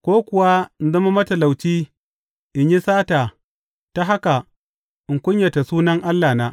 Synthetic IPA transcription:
kʷoː˦kʷʊ˨wa˦˨n˦zɐ˦ma˦mɐ˦tɐ˨la˨wt͡ʃiː˦ | ʔɪ˨ɲji˦saː˦taː˨ | ta˦ɦa˦ka˨ | ʔɪ˨ŋkʷʊ˦ɲjɐ˨ta˨suː˦nɐ˦ŋʔa˦lːaː˨naː˦

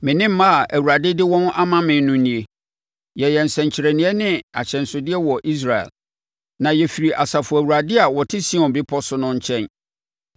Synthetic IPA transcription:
mɪ̃˨nɪ̃˦m̩˦mã˦a˨ʔæ˨wuɾa˨dɪ˦dɪ˦wɔ̃˦nʔa˦mã˦mɪ̃˨˦nʊ̃˦nĩ˨e˨ | jɛ˨jɛ˨n̩˨sɛ̃˨ɲ˨t͡ɕʰɪ˨ɾɛ˨nĩ˨ɛ˦nɪ̃˦a˨ɕʰɛ̃˨n˨sʊ˨dɪ˦ɛ˦wɔ˨ʔi˦s̬ɾa˨ɛ̰˨l | nã˨jɛ˨fi˨ɾi˨ʔa˨sa˨fʊ˨æ˨wu˨ɾa˨dɪ˦a˨wɔ˨tʰɪ˦sĩ˦ɔ̃˨nbɪ˦pʰɔ˦sʊ˦nʊ̃˦ɲ̩˦t͡ɕʰɛ̃˦n

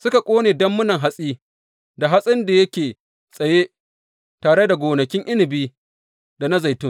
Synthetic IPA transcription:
sʊ˦ka˨kʷʼoː˦neː˨dɐ˦mːʊ˦nɐ˨ŋɦa˦sʼiː˦ | da˨ɦa˦sʼɪ˦nda˨jɐ˦kʲeː˨ | sʼɐ˨je˦ | taː˨ɽe˦da˨ɡʷoː˨nɐ˨kʲɪ˦ŋʔɪ˦lɪ˨biː˦ | da˨na˦za˨jtʊ˦ŋ

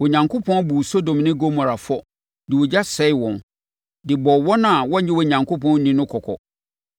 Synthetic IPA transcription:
wɔ˨ɲã˨ŋkʰo˦pʰɔ̃˦nbu˨so˦dõ˨mnɪ̃˦ɡo˦mɔ˨ɾa˨fɔ˦ | dɪ˨wɔ˨d͡ʑa˦sɛ˦ɪ˦wɔ̃˨n | dɪ˨bɔ˨wɔ˦nã˨wɔ̃˦ɲ˦ɲɪ̃˦wɔ˨ɲã˨ŋkʰo˦pʰɔ̃˦n˦nĩ˦nʊ̃˦kʰɔ˨kʰɔ̰˨

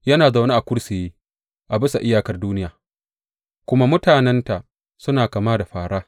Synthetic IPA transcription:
jɐ˦naː˨za˨wnaː˦ʔa˨kʷʊ˦ɽse˨jeː˦ | ʔa˨bɪ˦sa˨ʔɪ˦jaː˨kɐ˨rduː˦nɪ˦jaː˨ | kʷʊ˦ma˦mʊ˦taː˨nɛ˦nta˨ | sʊ˦naː˨kaː˨maː˦da˨ɸaː˨ɽaː˦

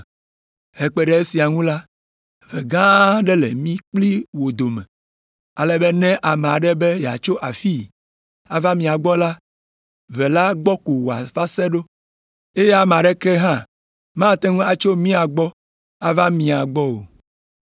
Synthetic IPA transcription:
he˨k͡pɛ˦ɖɛ˦e˦si˨a˨ŋũ˦la˦ | ve˨ɡã˦ɖɛ˦lḛ˨mĩ˦k͡pli˦wo˨d̪o˨mɛ̰̃˨ | a˨lɛ˦bɛ˦nɛ̃˦ʔa˨mẽ˨a˨ɖɛ˦be˦ja̰˨t͡ʃo˦ʔa˨fi˦ | a˨va˦mĩ˨a˨ɡ͡bɔ˦la˦ | vɛ˨la˦ɡ͡bɔ˦ku˨wo˨a̰˨fa˦sɛ˦ɖo˦ | e˦je˦a˨me˨a˨ɖɛ˦kɛ˦ɦã˦ | mã˦t̪ɛ˦ŋũ˦a˨t͡ʃo˦mĩ˦a˨ɡ͡bɔ˦ | a˨va˦mĩ˨a˨ɡ͡bɔ˦o̰˨

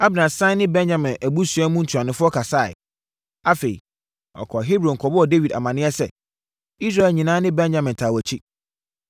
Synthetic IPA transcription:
a˦bnã˨sã˦nɪ̃˦bɛ̃˦nd͡ʑã˨mɪ̃˨næ˨bu˦sɥɛ˦mũ˦n̩˨tʰu˨ã˨nɪ̃˨fʊ˦ɔ˦kʰa˨sa˦˨ɪ̰˨ | a˦fe˨ḭ˨ | ɔ̰˨kʰɔ˨ɦi˦bɾõ˨ŋ̩˨kʰɔ˨bʊ˦ɔ˨de˦wi˨da̰˨mã˨nɪ̃˦ɛ˦sɛ̰˨ | i˦s̬ɾa˦ɛ˨lɲĩ˨nãː˦nɪ̃˦bɛ̃˦nd͡ʑã˨mɪ̃˨n˨tʰaː˨wæ˨t͡ɕʰi˦

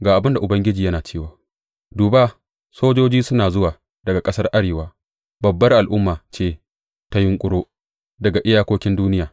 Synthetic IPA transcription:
ɡaː˨ʔa˨bɪ˦nda˨ʔʊ˨bɐ˦ŋɡʲɪ˦d͡ʒiː˨jɐ˦naː˨t͡ʃeː˦waː˨ | duː˨baː˦ | soː˦d͡ʒoː˦d͡ʒiː˦sʊ˦naː˨zʊ˦waː˨ | dɐ˨ɡa˨kʼɐ˦sɐ˦rʔa˦ɽeː˨waː˦ | bɐ˨bːɐ˦rʔa˨lʔʊ˦mːaː˨t͡ʃeː˦ | ta˦jɪ˦ŋkʷʼʊ˦ɽoː˦ | dɐ˨ɡa˨ʔɪ˦jaː˦kʷoː˦kʲɪ˦nduː˦nɪ˦jaː˨

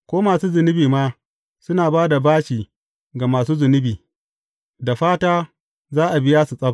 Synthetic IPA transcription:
kʷoː˦maː˨suː˦zʊ˨nɪ˦biː˨maː˦ | sʊ˦naː˨baː˦da˨baː˦ʃiː˨ | ɡa˨maː˨suː˦zʊ˨nɪ˦biː˨ | da˨ɸaː˦taː˦ | zaː˦ʔa˨bɪ˦jaː˦su˨sʼɐ˦b

